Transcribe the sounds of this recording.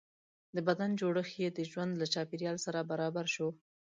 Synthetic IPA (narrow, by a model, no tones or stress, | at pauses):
d̪əbad̪and͡ʒoɽəxjed̪əʒwand̪lat͡ʃɑpeɾjɑlsaɾabaɾɑbaɾʃo